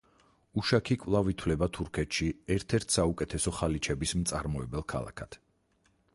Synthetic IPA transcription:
uʃakʰikʼvlˠavit̪ʰwlɛbat̪ʰuɾkʰɛt̪ʃiɛɾt̪ʰɛɾt̪ʰsaukʼɛt̪ʰɛsɔχalit͡ʃʰɛbismt̪sʼaɾmɔɛbɛlˠkʰa̰lˠa̰kʰad̪̥

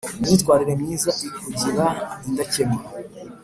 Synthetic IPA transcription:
mɲiːtkwaːɾiɾe̞mɲiːzaikuɟiɾaindacemea

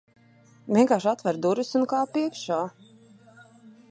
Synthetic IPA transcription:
vʲiɛŋkaːʃat̪vɛɾd̪uɾusunkaːpiɛkʃaː

